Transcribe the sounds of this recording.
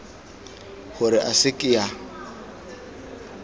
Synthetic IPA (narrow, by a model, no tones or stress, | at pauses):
χʊɾɪʔasɪkʼɪja